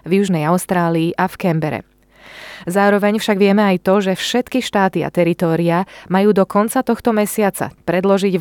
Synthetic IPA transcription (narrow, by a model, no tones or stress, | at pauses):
vjuʒnɛjaʊst̪ɾaːliːʔafkɛmbɛɾɛ̰ | zaːɾɔʋɛɲfʃaɡʋɪɛmɛajt̪ɔʒɛfʃɛt̪kiʃt̪aːt̪ia̰t̪ɛɾit̪ɔːɾiamajuːd̪ɔkɔnt͡sat̪ɔxt̪ɔmɛsɪat͡sa̰pɾɛd̪lɔʒiɟ